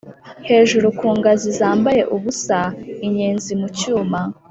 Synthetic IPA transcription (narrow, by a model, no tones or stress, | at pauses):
he̞ːʒuɾukuːŋɡazizaːmbaje̞ʔuβusaiɲeːnzimucuːma